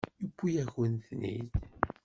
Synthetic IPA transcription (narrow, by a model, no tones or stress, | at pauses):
jəkʷːijæçənθnḭð